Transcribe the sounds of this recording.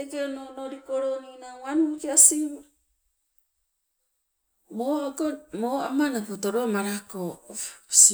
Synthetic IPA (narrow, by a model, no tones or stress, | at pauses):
ekeononoɾikoɾoninaanukeasi | moakomoamanakotoɾomaɾakos